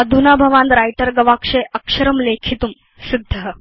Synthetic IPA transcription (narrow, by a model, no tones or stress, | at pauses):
ɐd̪ʱunabʱɐʋãːnd̪ɾajʈəɾɡɐʋakʂeʔɐkʂɐɾɐmlekʰit̪um | sid̪ʱːəɦ